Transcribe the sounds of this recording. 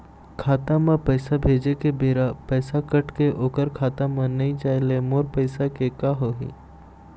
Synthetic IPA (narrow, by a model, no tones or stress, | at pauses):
kʰaːt̪amãpəjsabʱeːd͡ʒekebeːɾapəjsakəʈkeʔoːkəɾkʰaːt̪amə̃nəit͡ʃaːjlemoːɾpəjsakekaɦoɦḭ